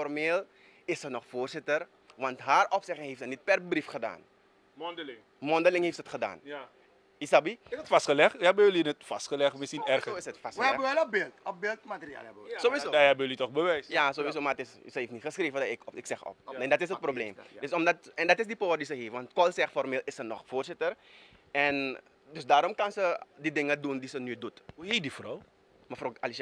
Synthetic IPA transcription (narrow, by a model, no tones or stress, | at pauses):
fɔrmeːl | ɪssənɔχfoːrzɪtər | ʋɑntɦaːrɔpsɛχɪŋɦeːftsənit̚pɛrbrifχəda̰ːn | dlɪŋ | mɔndəlɪŋɦeːftsəətχəda̰ːn | isabiətfastχəlɛχtɛbəjølinətfastχəlɛχtmɪsinɛrəoɪsətfasɛbəʋɛlɔbɪltɔbɪltmatəria̰ːlbəsoʋizodahɛbəjəlitɔχbəʋɛjsjasoːʋisoːmaətɪssəheːftnitχəsxreːvədaɪkɪksɛxɔ̰p̚ɛndɑtɪsət̚probleːmdøsɔmdɑtɛndɑtɪsdipoːrdisəɦeːfʋɑntkɔlsɛxfɔrmeːlɪsənɔχfoːrsɪtər | ɛn | døsdaːɾɔmkansədidɪŋədundisənydutuɦedifrɔw | mafoalis